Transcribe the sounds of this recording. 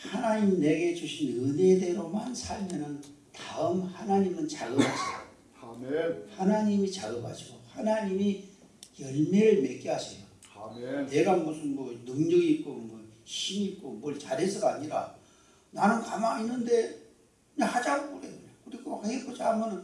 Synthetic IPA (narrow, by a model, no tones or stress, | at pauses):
hanaɲimne̞ɡe̞d͡ʑuɕʰinɯne̞de̞ɾomansʰaɭmjʌnɯn | taɯmhanaɲimɯnt͡ɕaɡɯɡad͡ʑʰio | mhanaɲimit͡ɕaɡɯba̰d͡ʑʰiɡ̥ohanaɲimi | jʌɭmeɾɯɭme̞k͈iɦasʰʌjo | ne̞ɡamosʰɯnmʌnɯŋɲʌɡiːp̚k͈omʌɕʰimiːp̚k͈omwʌɭt͡ɕaɾes͈ʰɯɡaːɲiɾa | nanɯnkamaŋinːɯnde̞ | ɲahad͡ʑakoɾekɯɾiɡohaɡek͈ʰod͡ʑamʌnɯn